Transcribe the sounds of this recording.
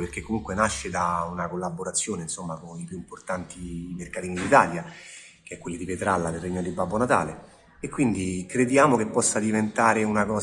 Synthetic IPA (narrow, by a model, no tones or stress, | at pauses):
perkekːomuŋkwenaʃːed̪aunakolːabːoɾat̪sːjoːneinsomːakonipjuimport̪ant̪imerkat̪iːnid̪it̪aːlja | k̟eɛkːwelːid̪ipet̪ɾalːad̪elrːeɲːod̪ibːabːonat̪a̰ːle | ekːwind̪ikɾed̪jaːmokepːɔsːad̪ivent̪aːɾeunakɔː